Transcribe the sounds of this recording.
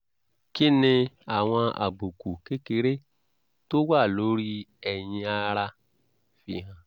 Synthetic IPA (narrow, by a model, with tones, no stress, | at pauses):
ki˦nĩ˧a˨w̃ɔ̃˧a̰˨ɡ͡bu˨ku˨ke˦ke˧ɾe˦ | to˦wa˦˨lo˨˦ɾi˦ɛ˨jĩ˧a˧ɾa˧ | fi˧ɦã˧